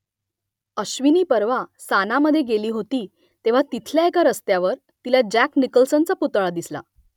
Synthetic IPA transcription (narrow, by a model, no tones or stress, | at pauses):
əɕʋiniːpəɾʋasanaməd̪ʱːjeɡeliːɦot̪iː | t̪eʋ̤at̪it̪ʰljaekaɾəst̪jaʋəɾ | t̪ilad͡ʑæknikəlsənt͡saput̪ɭad̪isla̰